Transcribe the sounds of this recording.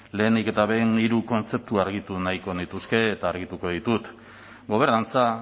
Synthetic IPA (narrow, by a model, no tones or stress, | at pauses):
le̞ːnd̪ike̞t̪aβe̞niɾuko̞nt͡se̞p̚t̪uaɾɣ̞it̪unaiko̞nit̪uske̞ːt̪aːɾɣit̪uko̞ð̞it̪ut̪ | ɡo̞β̞e̞ɾnant͡sa